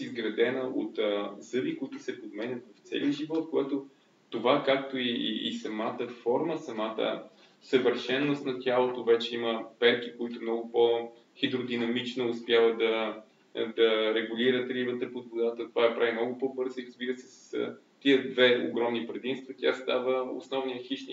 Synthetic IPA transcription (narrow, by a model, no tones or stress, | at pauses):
izɡɾɐd̪ɛnəʔo̰t̪ːzɤbikoit̪ʊsɛpod̪mɛnʲət̪vɐft̪sɛ̰liəʒivɔt̪koɛt̪o | t̪ovakak̚t̪oḭːsɐmat̪əfɔɾməsɐmat̪ə̰ | səvəɾʃɛnːost̪nɐt̪ʲjalˠot̪ovɛt͡ʃɛiməpɛɾkikoit̪ʊmnɔɡʊpo | xid̪ɾod̪inɐmit͡ʃnoʊspjavəd̪ɐ | d̪ɐɾɛɡuliɾət̪ɾivɤt̪ɾɛpod̪vod̪at̪ət̪ovaɐpɾavimnɔɡʊpɔbɤɾziɾəzbiɾəsɛ̥sə̥s | t̪iəd̪vɛo̰ɡɾɔmnipɾɛd̪imst̪vət̪ʲast̪avəo̰snɔvnijəxiʃni